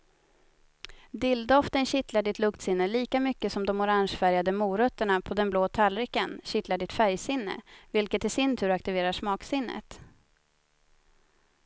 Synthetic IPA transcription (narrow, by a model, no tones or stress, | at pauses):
d̪ɪld̪ɔft̪ənɕɪt̪laɖɪt̪lɵkt̪sɪnːəliːkamʏkːəsɔmd̪ɔmʊɾaŋʂfæɾjad̪əmuːɾœt̪ːəɳapʰɔd̪ɛnbloːt̪ʰalɾɪkənɕɪt̪laɖɪt̪fæɾjsɪnːə̰vɪlkət̪ɛsɪnt̪ʰʉ̟ːɾak̚t̪ɪveːɾaʂmɑːksɪnːə̰t̪